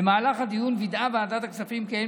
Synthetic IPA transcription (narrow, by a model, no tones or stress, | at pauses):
emaːlaχhad̪ijunvid̪ʔaveaːd̪at̪aksafimken